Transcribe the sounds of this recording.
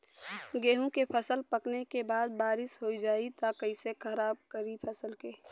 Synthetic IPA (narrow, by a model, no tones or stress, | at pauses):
ɡeːɦũkepʰəsəlpəknekebaːd̪̚baːɾɪsɦoid͡ʒaːit̪akəɪsekʰəɾaːb̚kəɾipʰɐsəlkeː